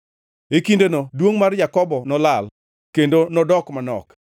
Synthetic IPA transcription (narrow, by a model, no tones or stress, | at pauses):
ekindonodwoŋmarjakɔbɔnɔlal | kendonɔdɔkmanɔ̰k